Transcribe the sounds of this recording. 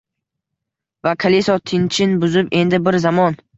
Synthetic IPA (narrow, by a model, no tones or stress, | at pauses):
vakʰalisɒt̪ʰɪnt͡ʃʰɪnbʊzɪpe̞nd̪ɪbɪɾzamɒn